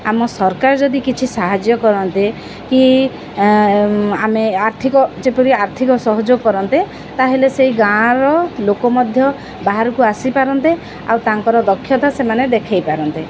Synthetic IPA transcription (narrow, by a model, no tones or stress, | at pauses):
amɔsɔɾkaɾɔd͡ʒɔd̪ikit͡ʃʰisaɦad͡ʒjɔkɔɾɔnt̪i | ki | ameaɾt̪ʰikɔd͡ʒepɔɾiaɾt̪ʰikɔsɔɦɔd͡ʒoɡkɔɾɔnt̪e | t̪aɦeleseɦiɡãɾɔlokɔmɔd̪ʱjɔ | baɦaɾɔkuasipaɾɔnt̪e | a̰wt̪aŋkɔɾɔd̪ɔkʰːjɔt̪asemaned̪ekʰajpaɾɔnt̪e